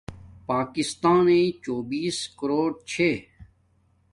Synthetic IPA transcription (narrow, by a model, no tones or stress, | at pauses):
paːkɪst̪aːnẽːt͡ʃoːbiːskəɾoːɽt͡ɕʰeː